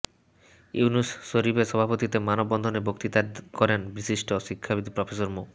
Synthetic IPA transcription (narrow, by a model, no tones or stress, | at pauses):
uunusːoɾibeʃɔbʱapot̪it̪emanobːɔnd̪ʱonebokt̪it̪akɔɾenbisiʃʈoʃikʰːabid̪ʱipɾofʰesoɾmo